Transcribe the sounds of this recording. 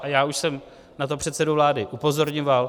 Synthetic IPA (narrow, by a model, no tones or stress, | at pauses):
ʔajaːuʃsɛm | nat̪o̞pr̝̥ɛt̪sɛdovlaːdɪʔupo̞zo̞ɾɲɪmvaːl